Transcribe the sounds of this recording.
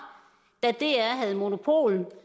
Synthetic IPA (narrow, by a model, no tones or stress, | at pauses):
d̥æd̥e̝æɦæð̞̩ˠmo̝no̝pʰo̝̰ːln̩